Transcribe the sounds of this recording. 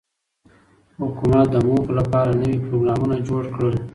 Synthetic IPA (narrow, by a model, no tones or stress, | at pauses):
hʊkumat̪̚d̪əmoxlapɑɾanəwipɾoɡɾɑmunad͡ʒoɽkɽəl